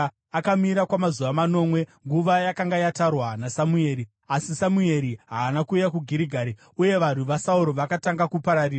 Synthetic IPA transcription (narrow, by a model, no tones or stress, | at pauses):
akamiɾakwamazuʋamano̞ːmwe̞ŋɡuʋajakaŋɡajatarwanasamue̞ːɾi | asisamue̞ɾiɦaːnakuːjakuɡʱiɾiɡʱaːɾi | uje̞ʋan̤uʋasauɾoʋakataŋɡakupaɾariːra